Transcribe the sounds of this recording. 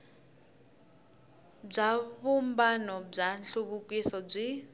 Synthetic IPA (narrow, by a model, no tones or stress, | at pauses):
b͡ʐaβumbanɔb͡ʐanɬuβukʼisɔb͡ʐʷi